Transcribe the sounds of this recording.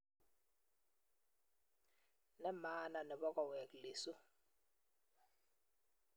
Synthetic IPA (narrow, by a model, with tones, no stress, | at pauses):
na˦ma˦na˨nɛ˨ɓɔ˦kʼɔ˦˨wɛ˨kle˨su˦